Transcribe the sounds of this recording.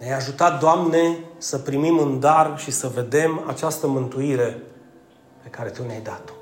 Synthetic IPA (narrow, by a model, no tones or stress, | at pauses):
neajaʒut̪at̪̚d̪oamne̞səpɾimimɨnd̪arʃisəve̞d̪e̞ma̰t͡ʃast̪əmɨnt̪uiɾe̞ | pe̞kaɾe̞t̪uneajd̪at̪